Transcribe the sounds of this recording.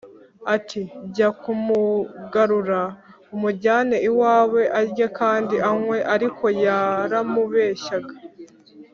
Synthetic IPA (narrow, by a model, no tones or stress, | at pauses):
atʰiɟakumuɡaɾuɾa | umuɾɟaːne̞iwaːwe̞ʔaɾɟakaːndiʔaŋwe̞ʔaɾikʰo̞jaːɾamuβe̞ːʃaɡa